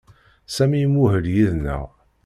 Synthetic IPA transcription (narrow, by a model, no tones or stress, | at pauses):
sæmijmuhəljiðnæ̰